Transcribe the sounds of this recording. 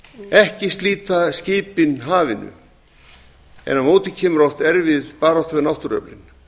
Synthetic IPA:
ɛhcɪst̪liːt̪ascɪːpɪnɦaːvɪnʏ̰ | ɛ̰nːamoːwt̪ɪcʰɛːmʏɾowht̪ɛɾvɪðpaːɾawht̪avɪɾnawht̪ʏɾœ̰plɪ̰n

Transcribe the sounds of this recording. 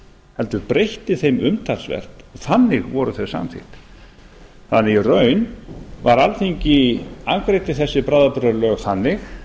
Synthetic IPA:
hɛlt̪ʏɾpɾejht̪ɪθejmʏmt̪ʰalsvɛ̰r̥t̪ɔθanːɪɣvɔɾʏθœsa̰mθɪ̰ht̪ | θanːɪirœːɥnvaɾalθeɲcɪaŋkɾejt̪ɪθɛsːɪpɾaːðapʏɾaɾlœːɣθanːɪx

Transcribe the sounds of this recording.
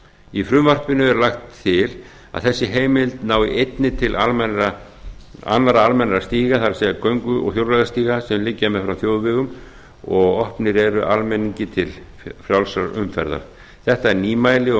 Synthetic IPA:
ifɾʏmvar̥pɪnʏɛɾlaxt̪ʰːɪl | a̰ðθɛsːɪɦeːjmɪlt̪naːwɪʔejt̪nɪt̪ʰɪlʔalmɛnɾa | a̰nːaɾaalmɛnɾast̪iːɣaθaɾsɛkœɥŋkʏɔ̰ɣçjowlɾajðast̪iːɣasɛmlɪcːamɛfɾawθjoːwðvɪɣʏm | ɔɣɔhpnɪɾɛɾʏʔalmejniɲcɪt̪ʰɪl | fɾjawlsaɾʏ̰mfɛ̰ɾða̰ɾ̥ | θɛht̪aɛɾniːmajlɪɔ

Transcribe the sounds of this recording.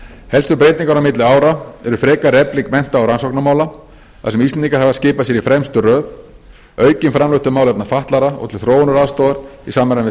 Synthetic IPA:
hɛlst̪ʏɾpɾeːjt̪niŋkaɾnamɪt̪lɪaːwɾaɛɾʏfɾɛːkarɛplikmɛn̥t̪aawɾansɔknamaːwla | θasɛmist̪ɛniŋkaɾ̥havðascɪːpasjɛɾifɾɛmst̪ʏrœːð | œːɥcɪnfɾamlʏht̪ʏmawlɛt̪nafaht̪laɾaɔ̰ɣt̪ʰɪlθɾoːwnʏɾaðst̪owðaɾḭsaːmɛɾanvɪ

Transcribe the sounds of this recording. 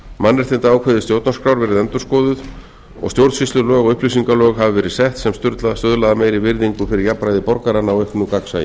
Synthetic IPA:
manːɛɾ̥θɪnt̪aaːwkʰvɛðɪt̪jowt̪nɔskɾawɾvɛːɾɪðɛnt̪ʏɾ̥skɔːðʏð | ɔ̰ɣst̪jowɾt̪sfist̪ʏlœːɣɔʏhplis̬iŋkalœːɣɦavɪvɛːɾɪðsɛht̪sɛmst̪ʏɾt̪laðast̪œðlaðameːjɾɪvɪɾðiŋkʏfɪɾɪɾjapːɾajðɪpɔɾkaɾanːawehknukaksa̰jɪ̰

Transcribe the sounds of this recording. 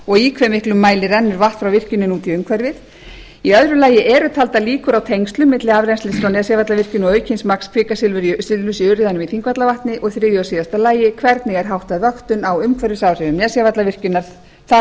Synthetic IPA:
ɔɣikʰvɛmɪhklʏmːaːjlɪɾɛnːʏɾvaht̪fɾawvɪr̥cʏnʏnuːt̪iʏmkʰvɛɾvɪð | iœðɾʏlaːjɪʔɛɾʏt̪ʰalt̪aliːkʏɾawt̪ʰejŋst̪lʏmːɪt̪lɪavɾɛjnst̪ɪsɾawnɛsjavat̪lavɪr̥cʏnːɔœːɥcʰɪnsmakspʰɪːkasɪlvʏɾisɪlnʏsiœɾɪðanʏmiθiŋkvat̪lavaht̪nɪʔɔɣθɾɪːðjʏasiːðast̪alaːjɪkʰvɛɾt̪nɪɣɛɾ̥ɦawht̪aðvœxt̪ʏnawʏmkʰvɛɾvɪsavrɪnʏmnɛːsjavat̪lavɪr̥cʏnːaɾ̥ | θa

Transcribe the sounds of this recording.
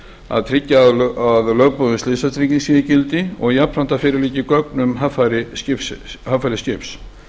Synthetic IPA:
a̰ðt̪ʰɾɪcːaðaðlœːɥpɔðʏslɪsat̪ʰɾɪcɪnsijɪcɪlt̪ɪɔɣjapɾan̥t̪afɪːɾɪɾliːcɪkœknʏmɦafaɾɪscɪpshafajɾɪscɪps

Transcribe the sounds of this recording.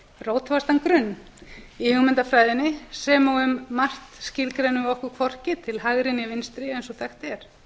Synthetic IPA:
roːwt̪vast̪ankɾʏnː | ihʏɣmɪnt̪afɾaːjðɪnːɪsɛmawʏmːar̥t̪scɪlkɾejnʏɔhkʏkʰvɔr̥cɪt̪ʰɪlɦaɣɾɪnɪvɪnst̪ɾɪejnsɔθaxt̪ɛɾ̥

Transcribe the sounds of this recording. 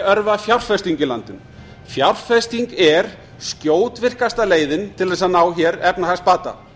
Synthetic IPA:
œɾvafjawr̥fɛst̪iɲcɪla̰nt̪ɪn | fjawr̥fɛst̪iŋkɛɾ̥ | scjoːwt̪vɪr̥kast̪aleːjðɪnt̪ʰɪlðɛs̬anaːwçɛɾɛpnahast̪̚paːt̪a̰

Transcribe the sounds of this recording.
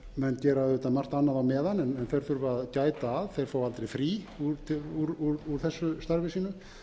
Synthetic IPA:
mɛnːcɛːɾaðʏt̪amar̥t̪anːaðawmɛːðanɛnɛnθɛjɾ̥θʏɾvaðcaːjt̪aːðθejɾ̥foːwalt̪ɾejfɾiː | uɾt̪ʰɪuɾuɾuɾ̥θɛsːʏst̪aɾvɪsiːnʏ

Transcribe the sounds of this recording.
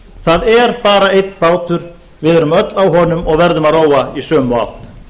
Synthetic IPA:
θaðɛɾ̥paːɾaejt̪n̥paːwt̪ʏɾ | vɪðɛɾʏmœt̪lawɦɔːnʏmɔɣvɛɾðʏmaðroːwaisœːma̰wht̪

